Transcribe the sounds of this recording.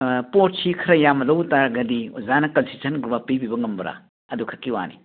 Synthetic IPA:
pot̚sikʰɐɾɐjamɐlɐwtaɾɡɐdizanɐkɐnsitʰɐnɡɾubapibibɐŋɐmbɐɾa̰ | ɐdukʰɐkːiwa̰nḭ

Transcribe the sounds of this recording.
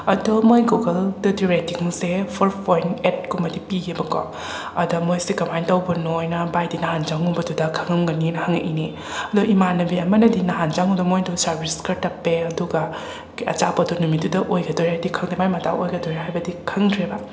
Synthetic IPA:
ɐdomojɡokɐldɐdiɾetiŋsepʰɔɾpʰojnet̚kumɐdipiɡebɐkɔ̰ | ɐdɐmojsekɐmajntɐwbɐnojnɐbajdinɐɦand͡ʒaŋubɐdudɐkʰɐŋɐmɡɐninɐhaŋḛʔini | ɐdoʔimanɐbiɐmɐnɐdinɐɦand͡ʒaŋudɔmojdusɐɾbʱiskɐɾtɐpːeɐduɡɐ | ɐ̰t͡ʃapɐdunumidudɐʔojɡɐdoɾiɦajdikʰɐŋdimajmɐta̰wojɡɐdoɾiɦajbɐdikʰɐŋdɾebɐ

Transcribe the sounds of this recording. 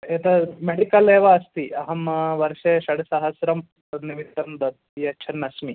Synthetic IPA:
et̪ɐmeɽikɐleːʋɐɐst̪iɐɦɐmʋɐɾʂeːʃɐɽɐsɐɦɐsɾɐm | ɐniʋit̪ːɐmd̪ɐd̪ | jɐt͡ʃʰɐnːɐsmi

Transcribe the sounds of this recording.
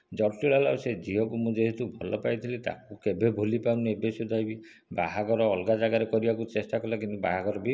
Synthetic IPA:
d͡ʒɔʈiɭalased͡ʒiɦɔkumũd͡ʒeɦit̪ubʱɔlɔpajt̪ʰilit̪a̰kukebʱebʱolipaũnebesud̪ʱajbi | ba̰ɦaɡɔɾɔːlɡad͡ʒaɡaɾekɔɾibakut͡ʃesʈakɔlakinuba̰ɦaɡɔɾɔbi

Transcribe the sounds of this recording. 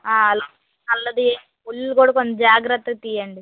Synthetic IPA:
aːɐlo | ɐlːɐd̪ieː | pulːukuːɽɐkond̪ɐd͡ʒaːɡɾɐt̪ːɐɡɐt̪ijɐɳɖi

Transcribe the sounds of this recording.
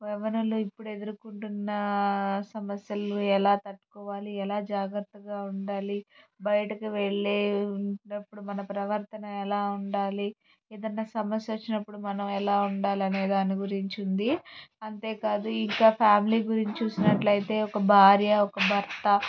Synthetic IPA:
ʋɛʋɐnuluipːuɽe̞d̪uɾukuɳʈunːɐsɐmɐsjɐluɛlaːt̪ɐʈːu̥kɔːʋaːliɛlaːd͡ʒaːɡɾɐt̪ːɐɡaːuɳɖaːlibɐjɐʈɐkuʋeɭːeːunɐpːuɽumɐnɐpɾɐʋɐɾt̪ɐnɐmɛlaːuɳɖaːli | eːd̪ɐnːaːsɐmɐsjɐʋot͡ʃːinɐpːuɽumɐnɐmɛlaːuɳɖaːliɐne̞ːd̪aːniɡuɾiɲt͡ʃund̪iɐnt̪e̞ːkaːd̪uiŋkaːpʰaːmiliːɡuɾiɲt͡ʃit͡ʃuːsinɐʈlɐjit̪e̞ːɔkɐbʱaːɾjɐɔkɐbʱɐɾt̪ɐ

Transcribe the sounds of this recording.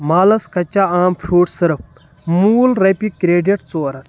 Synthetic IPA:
maːlɐskɐt͡ʃaaːmpʰɾuːʈsɨɾp̚ | muːlɾɐpikɾeːɖɐʈt͡soːɾɐt̪

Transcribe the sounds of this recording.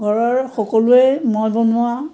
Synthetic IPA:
ɡʱɔɹɔɹxɔkɔlʊemɔjbɔnʊa

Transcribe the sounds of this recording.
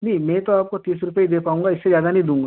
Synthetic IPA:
nɐĩmɛ̃t̪oaːp̚kot̪iːsɾʊpeid̪eːpaːũːŋɡaɪsːezjaːd̪anɐɦĩd̪ũːŋɡaː

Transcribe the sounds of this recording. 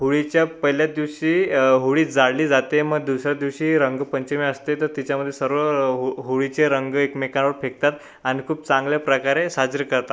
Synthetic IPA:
ɦoɭit͡ɕjapəɦiljad̪iʋɕiːɦoɭiːd͡zaɽliːd͡zat̪eməɡ̚d̪usɾjad̪iʋɕiːɾəŋɡpəɲt͡ɕemiəst̪et̪əɾt̪it͡ɕjaməd̪ʱːjesəɾʋəɦɦoɭit͡ɕeɾəŋɡekmekanʋəɾfek̚t̪at̪ | añikʰuːp̚t͡sãŋɡljapɾəkaɾesad͡zɾəkəɾt̪at̪

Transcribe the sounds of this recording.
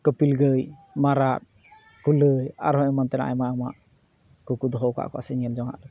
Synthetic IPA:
kəpilɡəjmaɾat̪̚ | kuləja̰ɾɦɔɛmɔnt̪ɛna̰ʔjmaamaʔ | kukud̪ɔɦɔwka̰ʔkɔʔa̰sɛɲɛld͡ʒɔŋa̰ʔlɔ

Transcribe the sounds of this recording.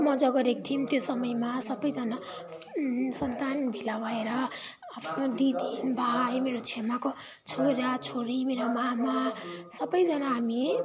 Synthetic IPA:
mʌd͡zʌɡʌɾek̚t̪ʰimt̪josʌmʌjmasʌbʌjd͡zʌna | sʌnt̪anbʱilabaeɾʌ | apʰnod̪id̪ʱinbʱajmeɾot͡sʰemako | t͡sʰoɾjat͡sʰoɾimeɾomamasʌbʌjd͡zʌnaɦami

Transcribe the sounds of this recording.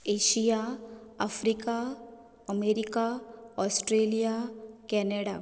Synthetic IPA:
eːʃijaɐfɾika | ɐmeːɾikaɔːsʈɾeːlijakɛːneɖaː

